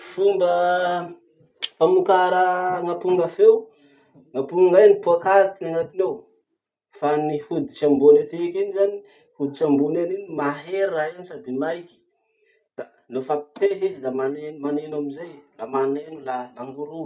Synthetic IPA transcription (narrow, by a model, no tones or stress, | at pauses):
fumbə | famukaɾəŋapuŋɡafew | ŋapuŋɡajnipuakat̪inaŋat̪inew | fanihud̪i̥t͡ʃiambonet̪ekinizani | hud̪it͡sambunaninimaɦeɾainisad̪imajki̥ | d̪̥a | lofapeɦizilamanemanenamizajlamanenulalaŋɡuɾu